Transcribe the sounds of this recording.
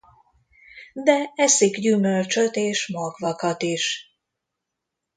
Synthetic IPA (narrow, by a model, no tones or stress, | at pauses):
d̪ɛɛsiɡɟymølt͡ʃøt̪eːʃmɒɡvɒkɒt̪iʃ